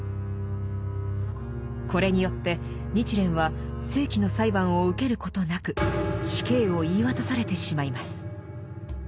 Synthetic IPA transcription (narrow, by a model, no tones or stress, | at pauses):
ko̞ɾe̞ɲ̟ijo̞t̪ːe̞ | ɲ̟it͡ɕiɾẽ̞ɰ̃βa | sɨːkʲino̞saibãɰ̃o̞ɯ̟ke̞ɾɯ̟ko̞t̪o̞nakɯ̟ɕi̥ke̞ːo̞iːβat̪asaɾe̞t̪e̞ɕimaimasɨ̥